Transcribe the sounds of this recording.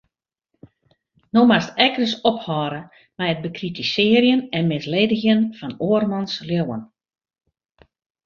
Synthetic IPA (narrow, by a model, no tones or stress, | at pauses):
nomastɛkrəsɔphɔːɾə | mɛjət̚bəkritisɪːərjənɛnmɪsleːdəxjənfɔnoːərmɔnsljowə̰n